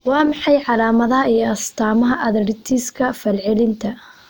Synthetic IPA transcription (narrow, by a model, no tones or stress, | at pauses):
wɑːmɑħɑjʕɑlaːmɐðɐɦɐijɔɐst̪ʰaːmɐɦɐʔɐðɐɾɪt̪ʰiːskʰɐfɐlʕɪlɪnt̪ʰɐ